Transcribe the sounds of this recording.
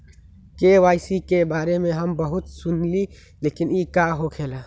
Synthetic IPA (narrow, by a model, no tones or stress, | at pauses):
keʋaːɪsikebaːɾemẽɦɐmbəɦʊt̪sʊnli | leːkɪnikaɦokʰeːlaː